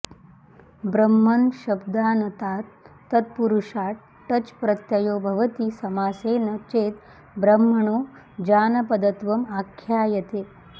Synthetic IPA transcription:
bɾɐmːɐnʃɐbd̪aːnɐt̪aːt̪ː | ɐt̪̚puɾuʃaːʈ̚ | ʈɐt͡ʃpɾɐt̪jɐjoːbʱɐʋɐt̪isɐmaːseːnɐt͡ʃeːt̪ | bɾɐmːɐɳoː | d͡ʒaːnɐpɐd̪ɐt̪ʋɐmaːkʰjaːjɐt̪eː

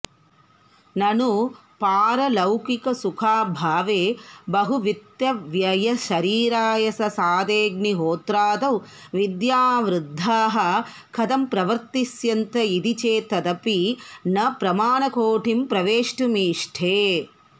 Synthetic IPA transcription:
nɐnu | paːɾɐlɐwkikɐsukʰaːbʱaːʋeːbɐɦuʋit̪jɐʋjɐjɐʃɐɾiːɾaːjɐsɐsaːd̪eːɡniɦoːt̪ɾaːd̪ɐw | ʋid̪jaːʋɾud̪ʱːaːɦɐ | kʰɐd̪ɐmpɾɐʋɐɾt̪isjɐnt̪ɐid̪it͡ʃeːt̪ɐd̪ɐpinɐpɾɐmaːnɐkoːʈʰimpɾɐʋeːʂʈumiːʂʈʰeː

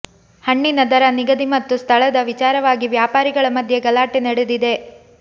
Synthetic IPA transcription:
hɐɳːinɐd̪ɐɾɐniɡɐd̪imɐt̪ːust̪ʰɐɭɐd̪ɐʋit͡ʃaːɾɐʋaːɡiʋjaːpaːɾiɡɐɭɐmɐd̪ʱje̞ɡɐlaːʈinɐɽed̪id̪e̞

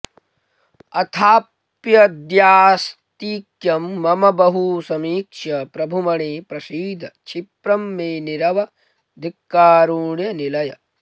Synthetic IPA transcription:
ɐt̪ʰaː | pjɐd̪jaːst̪iːkjɐmːɐmɐbɐɦusɐmiːkʂɐpɾɐbʱumɐɳeːpɾɐsiːd̪ʱɐt͡ʃʰipɾɐmːeːniɾɐʋɐ | d̪ʱikːaːɾuːɳjɐnilɐjɐ

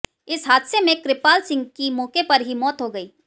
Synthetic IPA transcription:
ɪsɦaːd̪semẽkɾɪpaːlsɪ̃ŋɡkimɔːkepɐɾɦimɔːt̪ɦoɡɐiː

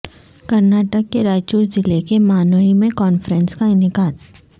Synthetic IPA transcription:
kɐɾnaːʈəkːeɾaːd͡ʒt͡ʃuːɾd͡ʒɪlekemaːnoɦimẽkɔːnfɾə̃nskaɪnɪkaːd̪

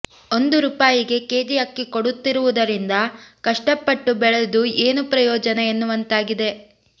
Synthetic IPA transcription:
o̞nd̪uɾuːpaːjiɡe̞ke̞ːd͡ʒijɐkːiko̞ɽut̪ːiɾuʋud̪ɐɾind̪ɐkɐʂʈɐpːɐʈːubɛɭed̪ue̞ːnupɾɐjɔːd͡ʒɐneenːuʋɐnt̪aːɡid̪e̞

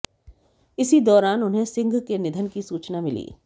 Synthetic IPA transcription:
ɪsid̪ɔːɾaːnʊnɦẽsɪ̃ŋɡʱkenɪd̪ʱənkisuːt͡ʃnamɪlḭː

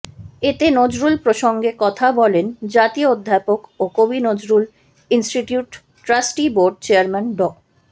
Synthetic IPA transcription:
et̪enod͡ʑɾulpɾoʃoŋɡekɔt̪ʰabɔlend͡ʑat̪iood̪ʱːapokokobinod͡ʑɾul | insʈiʈjuʈː | ɾasʈiboɾɖ̚t͡ɕeaɾmɛnɖɔ

